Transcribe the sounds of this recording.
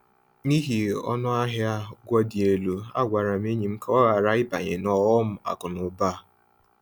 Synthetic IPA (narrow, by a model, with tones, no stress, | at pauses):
ni˦ɦi˨ɔ̰˦nʊ˦a˦ɦja˦ɡʷɔ˦di˨e˨lu˨a̰˦ɡʷa˨ɾa˨m̩˦e˦ɲi˨m̩˦kɔ˦ɣa˨ɾa˦ɪ˦ba˨ɲḛ˨nɔ˨wɔ˦m̩˦a̰˨kʊ˨nʊ˨ba˦˨